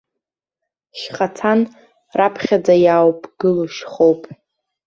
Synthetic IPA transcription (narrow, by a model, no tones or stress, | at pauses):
ʃχat͡sʰan | rapʰχʲad͡zajawpʼɡ̥ɨluʃχowpʼ